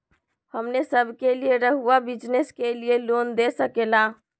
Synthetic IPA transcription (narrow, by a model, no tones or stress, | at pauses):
həmnesəbʱkelieɾəɦuabid͡ʒneskelielond̪esəkela